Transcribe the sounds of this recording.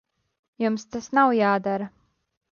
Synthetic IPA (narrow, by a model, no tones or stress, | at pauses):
jumst̪asnawjaːd̪aɾɐ